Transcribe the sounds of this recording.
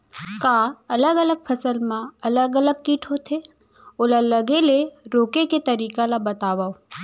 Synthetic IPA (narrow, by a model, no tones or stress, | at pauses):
kaːɐləɡɐləɡ̚pʰɐsəlmãɐləɡələɡ̚kiːʈʰot̪ʰe | ʊlɐləɡeleɾoːkeket̪ɐɾiːkalabɐt̪aːʋaːo